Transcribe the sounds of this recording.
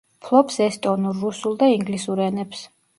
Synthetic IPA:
pʰlˠɔpsɛst̪ʼɔnuɾːusulˠd̪aiŋɡlisuɾɛnɛps

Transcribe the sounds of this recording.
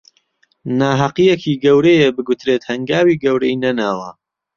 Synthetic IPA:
naːɦɐqijekʰiːɡɐwɾejebɨɡut̪ɾet̪hɐŋɡaːwiːɡɐwɾɐinɐnaːwɐ

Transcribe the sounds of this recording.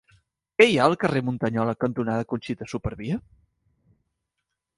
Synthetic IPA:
kɛjaəlˠkəremunt̪əɲɔləkənt̪unaðəkunʲsit̪əsupəɾβiə

